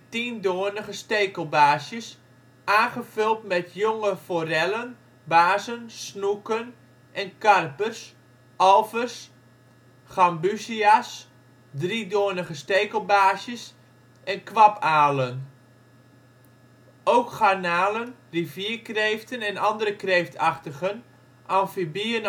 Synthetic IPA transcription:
tindoːnəɣəstejkəlˠbaːsjəs | ʔaːχəvʏlˠtmɛtʰjoŋəfoːrɛlən | baːzənsnukən | ʔɛnkarpərs | ʔɑlˠvərs | χambysias | dridoːnəɣəsteːkəlˠbaːsjəs | ʔɛnkʋapʰaːlən | owkχanaːlən | rivjiəkrejftənɛnɑndəɾəkreːftʰɑχtəɣən | ʔɑnfibiən

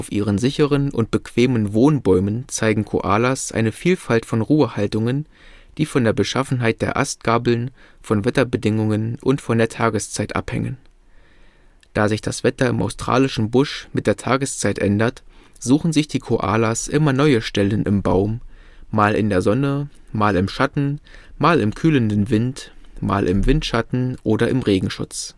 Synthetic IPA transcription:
ʔaʊfʔiːʁ̞ənzɪçəʁənʔʊ̰nt̚b̥əkv̥eːmənvoːnbɔʏmənt͡saɪɡŋ̩kʰo̰ʔa̰ːlasʔa̰ɪnəfiːlfaltfɔnʁuːəhaltʊŋən | d̥iːfɔndeːɐbəʃafn̩ɦaɪt̚d̥eːɐʔa̰st̚ɡ̥aːbl̩nfɔnvɛtɐbədɪŋʊŋənʔʊntfɔndeːɐtʰaːɡəst͡saɪtʔa̰phɛ̰ŋə̰n | d̥aːzɪçd̥asv̥ɛtɐɪma̰ʊstʁ̥a̰ːlɪʃn̩bʊʃmɪt̚d̥eːɐtʰaːɡəst͡saɪtʔɛ̰ndɐt | z̥uːxn̩zɪçd̥iːkʰoʔa̰ːlasʔɪmɐnɔʏəʃtɛlənʔɪ̰mbaʊm | maːlɪ̰ndeːɐzɔnə | maːlɪmʃatn̩maːlɪmkʰyːləndn̩vɪntma̰ːlʔɪ̰mvɪntʃatn̩ʔoːdɐɪmʁeːɡŋ̩ʃʊ̰t͡s

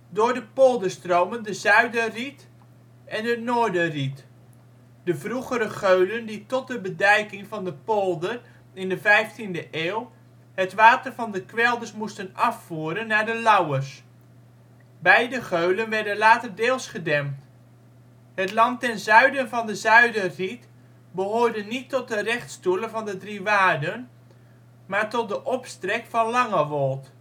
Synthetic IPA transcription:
dʊːɹdəpolˠdəstrowməndəzœɥdərit | ʔɛndənoːɹdərit | d̥əvruχəɾəχøɥlənditɔt̚dəbədɛjkɪŋvɑndəpolˠdər | ɪndəvɛjftindəʔeːwˠ | hətʋaːtərvɑndəkʋɛlˠdəɹsmustənɑfːuːɾənːaːɹdəlʌwərs | bɛjdəχøɥlənʋɛɹdənlaːtərdeːlˠsχədɛmt | hətlɑntɛnzœɥdənvɑndəzœɥdəzit | bəɦoːɹdənitːɔt̚dərɛχtstuləvɑndədriʋaːdən | maːɹtɔt̚dəʔɔpstrɛkfɑnlɑŋəʋɔlˠt

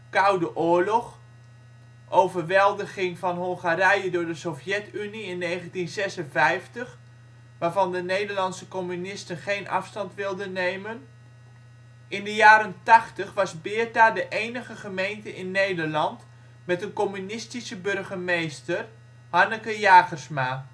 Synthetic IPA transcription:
kawdəʔʊːɹlɔχ | ʔowvərʋɛlˠdəχɪŋvɑnɦɔlˠχaɾɛjədʊːɹdəsofjɛtyniɪnːejχəntinzɛsənvɛjftəχ | ʋaːɹvɑndənejdəɹlɑntsəkomynɪstənχejnʔɑ̰fstɑntʋɪlˠdənːejmən | ʔɪndəjaːɾəntɑχtəχʋɑsbɪːtadəʔejnəχəχəmejntəʔɪnːejdərlɑnt | mɛtənkomynɪstisəbørχəmejstər | hanəkəjaːχərsma

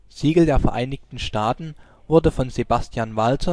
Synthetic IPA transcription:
z̥iːɡl̩deːɐfɛɐʔaɪnɪçtn̩ʃtaːtn̩ | vʊɐdəfɔnzebastʰjaːnvalt͡sɔ

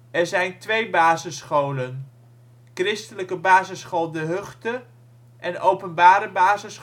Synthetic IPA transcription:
ɛɹzɛjntʋejbaːzəsχowlən | krɪstələkəbaːzəsχolˠdəɦɵχtə | ʔɛnowpənbaːɾəbaːzəs

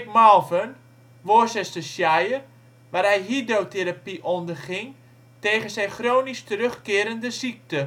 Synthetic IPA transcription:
ɪkmɔlˠvən | ʋosɛstəsjajər | ʋaːrɦɛjɦidowteɾapiʔɔndərχɪŋ | teːχənzɛjχroːnistərøχkɪːɾəndəsik̚tə

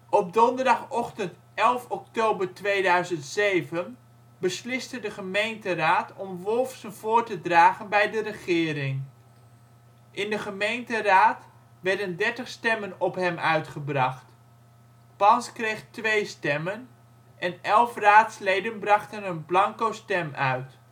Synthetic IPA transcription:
ʔɔb̚dɔndəɹdɑχɔχtənt | ɛlˠfɔk̚towbəɹtʋejdœɥzəntsejvən | bəslɪstədəχəmejntəraːtɔmʋɔlˠfsənv̥ʊːɹtədraːχənbɛjdərəχɪːɾɪŋ | ʔɪndəχəmejntəraːt | ʋɛɹdəndɛɹtəχstɛmənɔpɦɛmʔœɥtχəbrɑχt | pɑnskrejχtʋejstɛmən | ʔɛnɛlˠfraːtslejdənbrɑχtənənblɑŋkowstɛmœɥt

